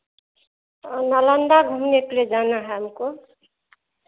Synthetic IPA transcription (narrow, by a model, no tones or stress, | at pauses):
naland̪aɡʱumnekled͡ʒanaɦamko